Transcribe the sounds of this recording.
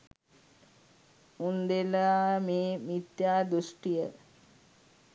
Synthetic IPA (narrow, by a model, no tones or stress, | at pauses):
und̪elameːmit̪jaːd̪usʈijə